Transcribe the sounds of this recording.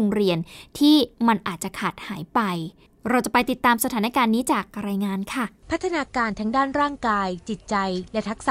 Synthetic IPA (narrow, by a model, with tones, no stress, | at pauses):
o˧ŋɾi˧ənt̪ʰiː˥˩ma˧nʔaː˨˩t̪̚t͡ɕa˨˩kʰaː˨˩t̪̚haː˩˦jpa˧j | ɾa˧wt͡ɕa˨˩pa˧jt̪i˨˩t̪ːaː˧msa˧t̪ʰaː˩˦na˦˥kaː˧nːiː˦˥t͡ɕaː˨˩k̚ɾaː˧jŋaː˧nkʰa˥˩pʰa˦˥t̪ʰːa˧naː˧kaː˧nt̪ʰa˦˥ŋdaː˥˩nɾaː˥˩ŋkaː˧jt͡ɕi˨˩t̪̚t͡ɕa˧jlɛ˦˥t̪ʰa˦˥k̚sa˨˩